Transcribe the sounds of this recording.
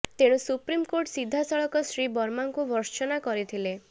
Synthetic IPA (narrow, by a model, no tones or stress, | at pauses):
t̪eɽ̃usupɾimkoɾʈsid̪ʱːasɔɭɔkɔsɾibɔɾmaŋkubʱɔɾt͡ʃɔnakɔɾit̪ʰile